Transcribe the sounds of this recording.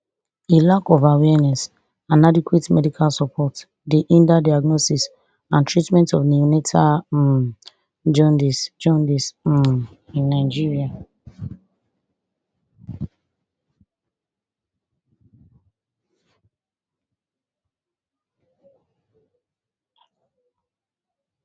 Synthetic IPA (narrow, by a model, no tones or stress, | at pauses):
elakɔvawɛnɛs | ãnadikwetmɛdikʰalsɔpʰɔt | deʔĩndadaaɡnɔsis | ãntɹitmɛ̃ntɔvniinetʰa | d͡ʒɔndisd͡ʒɔ̃ndis | ĩnːaɪd͡ʒiɹia